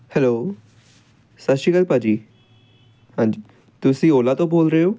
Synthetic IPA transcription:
hɛlo | saʃikəlpad͡ʒi | hãnd͡ʒi | t̪usiolat̪obolɾeo

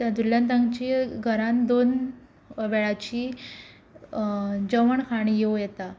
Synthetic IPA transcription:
t̪jad̪uljant̪̬ãŋɡt͡ɕiɡʱəɾãnd̪on | ʋɛɭat͡ɕiː | d͡zəʋəɳkʰaɽ̃ijewjɛt̪a

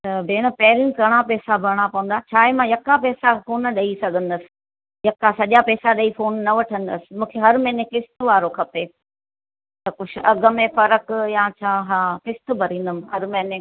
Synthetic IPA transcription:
t̪ɐbʱeːɽ̃ə̆pɐɦɪɾjũkɐɽ̃apɛːsabʱɐɾɽ̃apɐʋə̃nd̪aːt͡ɕʰaːemãjɐkapɛːsafoːnɗɐisɐɡʱə̃nd̪əsɪ̥̆ | jɐkasɐʄapɛːsaɗɐifoːnːɐʋɐʈʰə̃nd̪əsɪ̥̆mũːkʰeɦɐɾmɛ̃ːnekɪst̪ʋaːɾokʰɐpeː | t̪ɐkʊt͡ʃʰɪʔɐɡəmẽfɐɾəkjãt͡ɕʰaːɦaːkɪst̪ʊbʱɐɾĩːn̆d̪əmɪɦɐɾmɛ̃ːne

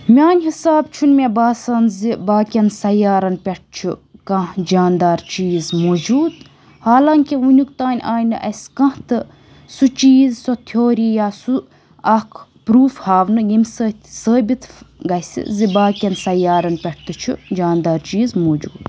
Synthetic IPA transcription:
mʲaːnʲɦisaːbt͡ʃʰunmʲebaːsɐːnzibaːkʲɐnsɐjaːɾɐnpʲeʈ̚t͡ʃʰukɐ̃hd͡ʒaːnd̪aːɾt͡ʃiːzmoːd͡ʒuːd̪ | haːlaːŋkiunʲukt̪aːnʲʔaːjnɨ̰ʔɐsʲkɐ̃ht̪ɨ | sut͡ʃiːzsot̪ʰoːɾijaːsu | ɐkʰpɾuːfhaːʋnɨjimʲsəːt̪ʰsəːbit̪ɡɐsḭzibaːkʲɐnsɐjaːɾɐnpʲɐʈ̚ʰt̪ɨt͡ʃʰud͡ʒaːnd̪aːɾt͡ʃiːzmoːd͡ʒuːd̪

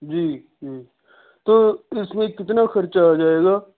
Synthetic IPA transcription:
d͡ʒiː | d͡ʒiː | t̪oːɪsmẽkɪt̪naːxɐɾt͡ʃad͡ʒaːeːɡaː

